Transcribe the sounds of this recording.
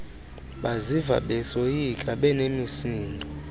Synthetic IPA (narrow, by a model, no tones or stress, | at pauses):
ɓaziva̰ɓɛsojikʼaɓɛnemisiːndʱɔ